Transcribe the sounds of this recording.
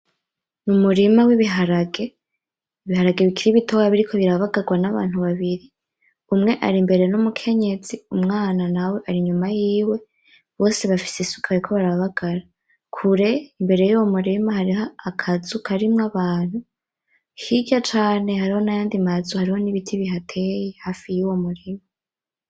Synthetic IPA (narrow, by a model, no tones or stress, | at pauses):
numuɾimawiβiɦaɾaɡe̞ | iβihaɾaɡe̞βikʰiɾiβitʰowaβiɾikʰo̞βiɾaβaɡaɡwanaβa̰ːnhuβaβiɾi | umŋe̞ʔa̰ɾimbe̞ɾe̞numukʰe̞ɲe̞z̥iumŋaːnanawe̞ʔaɾiɲumajiːwe̞ | βo̞ːse̞βafi̥sisu̥kʰaaɾikʰo̞βaɾaβaɡ̥aɾa | kʰuɾe̞imbe̞ɾe̞juwo̞muɾimahaɾiɦaakʰazukʰaɾimŋaβaːn̥hu | hiɟat͡ʃaːne̞haɾiho̞najaːndimazuhaɾiho̞niβitʰiβiɦatʰe̞jehaːfijuwo̞muɾima